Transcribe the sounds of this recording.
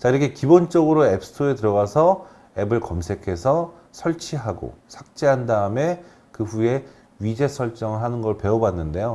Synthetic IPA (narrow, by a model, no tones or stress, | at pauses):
t͡ɕaiɾʌkʰekibont͡ɕ͈ʌɡɯɾoepʰɯ̥tʰoetɯɾʌɣasʰʌ | e̞bɯɭkʌmsʰe̞kʰe̞sʰʌ | sʰʌɭt͡ɕʰiɦaɡo̰sʰak̚t͡ɕ͈eɦandaɯme̞ | kɯɸue̞ | ɥid͡ʑe̞sʰʌɭt͡ɕ͈ʌŋɯɭɦanɯnɡʌɭpe̞obanːɯnde̞jo